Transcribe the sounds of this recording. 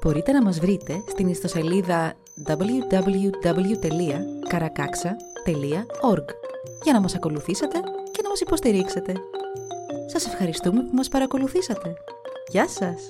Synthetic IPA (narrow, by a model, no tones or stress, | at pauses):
b̥o̞ɾit̪e̞nɐmɐzvɾit̪e̞st̪inist̪o̞se̞liðɐ | d̪ɐblʝud̪ɐblʝud̪ɐblʝut̪e̞liɐkɐɾɐkɐksɐ | t̪e̞liɐo̞ɾɡ | ʝɐnɐmɐsɐko̞luθiset̪e̞ce̞nɐmɐsipo̞st̪iɾikse̞t̪e̞ | sɐse̞fxɐɾist̪ume̞pumɐspɐɾɐko̞luθisɐt̪e̞ | ʝɐsɐs